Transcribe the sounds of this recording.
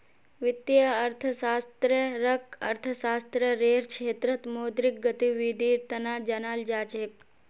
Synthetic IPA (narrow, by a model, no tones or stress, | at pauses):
ʋɪt̪ːjəɐɾt̪ʰəsaːst̪ɾəɾəkɐ̰ɾt̪ʰəsaːst̪ɾəɾeːɾkʃʰeːt̪ɾɐt̪moːd̪ɾɪk̚ɡɐt̪iʋid̪iːɾt̪ɐnaːd͡ʒɐnaːld͡ʒaːt͡ʃek